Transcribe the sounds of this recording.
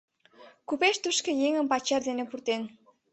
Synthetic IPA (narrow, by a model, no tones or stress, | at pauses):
kupeʃt̪uʃkejeŋəmpɑt͡ɕerd̪enepurt̪en